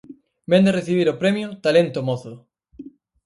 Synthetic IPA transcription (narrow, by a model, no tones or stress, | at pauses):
bend̪ereθiβ̞iɾopɾemjot̪alent̪omoθʊ